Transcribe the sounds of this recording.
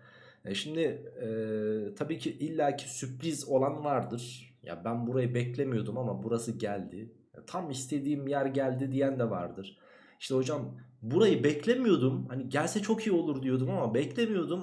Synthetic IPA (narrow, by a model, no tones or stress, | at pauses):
jaʃimd̪ɪɛt̪ʰabiːcʰiʔilʲːaːcʰi̥sypɾizo̞lˠanvaɾd̪ɯɾ̥ja̰bænbuɾajɯbɛclʲe̞mijo̞d̪umamabuɾasɯɟælʲd̪ɪ | ja̰t̪ʰamist̪ʰe̞d̪iːmjæɾɟælʲd̪id̪ijænd̪ɛva̰ɾd̪ɯɾ̥ | iʃt̪ʰɛho̞d͡ʒambuɾajɯbɛclʲe̞mijo̞d̪umhaniɟælʲsɛt͡ʃʰo̞kʰijio̞lˠuɾd̪ijo̞d̪umamabɛclʲe̞mijo̞d̪um